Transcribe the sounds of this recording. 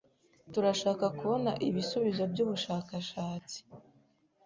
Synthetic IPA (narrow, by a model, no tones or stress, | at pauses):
tuɾaʃaːkakuβo̞naʔiβisuβizo̞bɟuːβuʃaːkaʃaːt͡si̥